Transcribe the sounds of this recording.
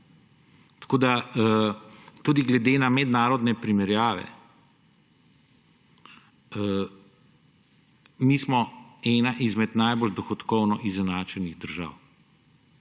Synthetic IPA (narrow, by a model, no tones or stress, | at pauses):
t̪ḁkoːd̪aət̪ud̪iɡlɛd̪enamɛd̪naːɾɔd̪nɛpɾimɛɾjaːʋɛ̰ | mismɔɛːnaʔizmɛt̪najbold̪ɔxɔt̪kɔwnɔʔizɛnaːt͡ʃɛniɣd̪əɾʒa̰ːw